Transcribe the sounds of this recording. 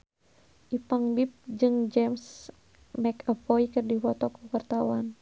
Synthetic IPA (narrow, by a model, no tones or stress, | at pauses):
ʔipaŋbip̚d͡ʒɨŋd͡ʒɛms | mɛkəfɔikɨrdifɔt̪ɔkuwart̪awan